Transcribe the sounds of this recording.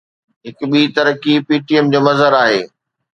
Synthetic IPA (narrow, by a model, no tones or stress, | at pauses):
ɦɪkʊɓiːt̪ɐɾkipiːʈiɛmd͡ʑoːmɐzɦəɾaːɦeː